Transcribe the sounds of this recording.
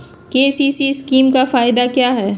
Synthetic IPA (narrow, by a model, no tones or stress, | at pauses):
keːsiːsiskiːmkafaːɪd̪akjaːɦɛː